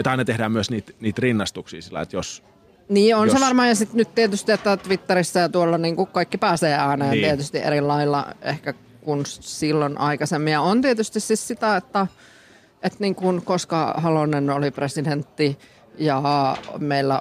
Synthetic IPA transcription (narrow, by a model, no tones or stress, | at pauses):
et̪ɑinɑt̪ehdæːmmyøsniːt̪niːt̪rinːɑst̪uksḭːsilːɑ̰ḛt̪jos | niːonseʋɑrmɑːjɑsit̪nyt̪t̪iet̪yst̪iet̪ːæt̪ʋit̪ːerisːæjɑt̪uolːɑniːŋkukkɑikːipæːseːæːneːnt̪iet̪yst̪iʔḛɾilːɑilːɑ̰ḛhkæ | kunssilːonʔɑikɑsemːiɑont̪iet̪yst̪ississit̪æet̪ːæ | et̪niːŋkunkoskɑhɑlonenolipresident̪ːi | jɑmeilːæ